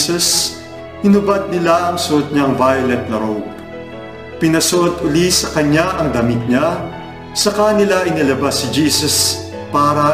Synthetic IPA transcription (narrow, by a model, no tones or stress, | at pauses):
sɐs | hɪnʊbad̪̚nɪlaʔɐŋsʊʔot̪̚ɲaŋvajʊlɛt̪̚nɐɾowp̚ | pɪnɐsʊʔot̪ʔʊlisɐkɐɲaʔɐŋd̪ɐmit̪̚ɲa | sɐkanɪlaʔɪnɪlɐbasɪd͡ʒiːsɐs | paːɾɐ